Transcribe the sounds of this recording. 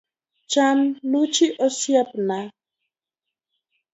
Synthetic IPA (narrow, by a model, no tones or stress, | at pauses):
t͡ʃanlut͡ʃiʔɔsjap̚na